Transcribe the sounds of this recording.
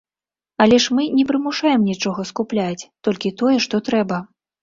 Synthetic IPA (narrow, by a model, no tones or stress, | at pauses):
ɐlʲɛʂmɨnʲɛpɾɨmuʂajɛmnʲit͡ʂɔɣɐskuplʲat͡sʲt̪ɔlʲkʲit̪ɔjɛʂt̪ɔt̪ɾɛbɐ